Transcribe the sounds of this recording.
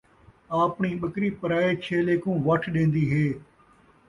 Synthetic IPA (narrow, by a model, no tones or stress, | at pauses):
aːpɳiːɓəkɾiːpəɾaːeːt͡ʃʰeːleːkũːʋəʈʰɗẽːnd̪iːɦeː